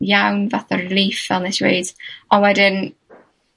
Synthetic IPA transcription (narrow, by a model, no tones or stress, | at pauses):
jawnvaθɔrlˠiːfɛlˠnɛswḛjd̥ɔwɛdɪn